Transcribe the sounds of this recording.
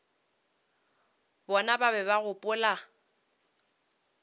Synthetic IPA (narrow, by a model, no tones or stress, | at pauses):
bɔnababɛbaɣʊpʼʊla